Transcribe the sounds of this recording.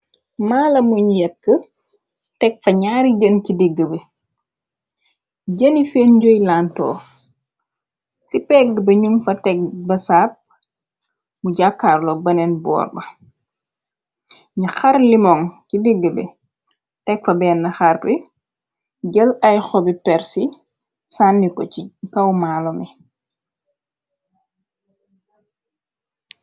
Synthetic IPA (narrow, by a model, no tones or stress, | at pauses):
maːlɐmuɲjɛkːə | tɛk̚fɐɲaːɾiɟəncidiɡːəbɛ | ɟənifeːnɟojlaːntɔ̰ː | sipɛɡbɐɲumfɐtɛɡ̚bɐsaːp̚ | muɟakːaːrlɔbɐnɛnbɔ̰ːrbɐ | ɲixaɾlimɔŋcidiɡːəbɛ | tɛk̚fɐbɛːnːɐxarpi | ɟəlɐjxɔbipɛɾsi | saːnːikɔikɐwmaːlɔmi